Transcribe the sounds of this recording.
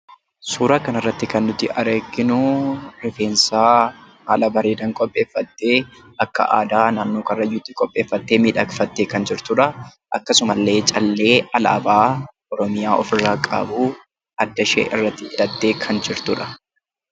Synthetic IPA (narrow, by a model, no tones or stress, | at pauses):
suːɾaːkɐnɐrːɐt̪ːɪkɐnːʊt̪ːɪʔɐɾeːɡːɪnʊɾɪfe̞ːnsaː | haːlɐbɐɾeːd̪ɐŋkʼɔpʼːe̞ːfːɐt̪ːe̞ː | ʔɐkːɐ̰ʔa̰ːd̪aːnaːnːoːkɐrːɐjʊt̪ːɪkʼɔpʼːe̞ːfːɐt̪ːe̞ːmiːᶑɐkfɐt̪ːeːkɐnd͡ʒɪɾt̪ʊᶑɐ | ʔɐ̰kːɐsʊmɐlːe̞ːt͡ʃʼɐlːe̞ːɐlɐ̰ʔɐbaː | ɔɾɔmɪjaːʔɔfɪrːaːkʼɐ̰buː | ɐd̪ːɐʃḛːʔɪ̰rːɐt̪ːɪɪᶑɐt̪ːe̞ːkʰɐnd͡ʒɪɾt̪ʊᶑɐ̥